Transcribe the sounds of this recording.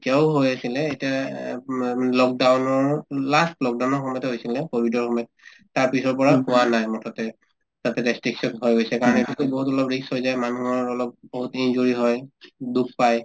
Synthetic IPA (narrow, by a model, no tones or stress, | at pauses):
etijaʊɦojasilɛetia | lɔk̚dawnɔɹlastlɔk̚dawnɔɹxɔmɔjɔtɦojsilɛkobʱidɔɹxɔmjɔtː | aɹpisɔɹpɔɹahʊwanajmɔtʰɔtɛ | z̥atɛdɛstɹiksɔnɦojɡojsɛkaɹɔnetutuboɦutɔlɔpɹishojzajmanuɦɔɹɔlɔp̚boɦutinzuɹiɦɔjduk̚ʰpaj